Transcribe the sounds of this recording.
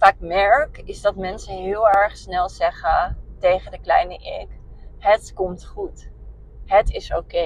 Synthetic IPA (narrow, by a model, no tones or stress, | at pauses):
faːkmɛɹkɪzdɑtmɛnsəɦɪːlˠɛɹχsnɛlˠz̥ɛχətejχədəklɛ̰jnəʔɪ̰k | ɦətkɔmtχut | ɦətɪsowke